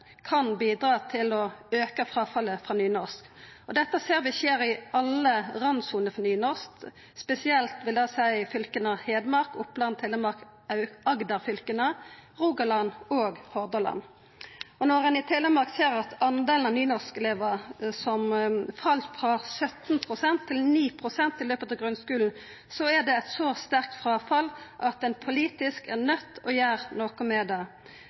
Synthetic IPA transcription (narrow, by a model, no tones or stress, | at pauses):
kʰɑnbiːd̪ɾɑːt̪ʰɪlɔøːkəfʁɑːfɑlːəfʁɑnyːnɔʁskɔd̪ɛt̪ːəseːɾʋɪseːɾɪɑlːəʁɑnsuːnəɾfɔnyːnɔʁsk | spɛsɪɛlt̪ʋɪld̪ɑsæɪfʏlkənɑheːd̪mɑɾkʊpːlɑnt̪ʰːɛləmɑɾk | ɑʉɑɡd̪ɑʁfʏlkənəʁuːɡɑlɑnoːɡhɔʁd̪əlɑ̰n | ɔnɔʁɛnɪt̪ʰɛləmɑʁkseːʁɑt̪ʰɑnd̪eːln̩ɑʋnyːnɔʁskɛleːʋəsɔmfɑlt̪fʁɑsœt̪npʰʁʊsɛnt̪ʰːɪlniːpʰʁʊsɛnt̪ɪløːpət̪ɑʋɡʁʉnskʉːln̩ | sɔæʁd̪ɛæt̪sɔst̪æʁk̚t̪fʁɑːfɑlʔɑt̪ɛnpʰʊliːt̪ɪskæʁnœt̪ːɔjæːʁnoːkɔmɛːd̪ɑ